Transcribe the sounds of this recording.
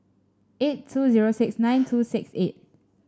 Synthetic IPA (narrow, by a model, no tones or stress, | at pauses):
etʰːuziɹosɪksnãɪj̃ntʰusɪkset̚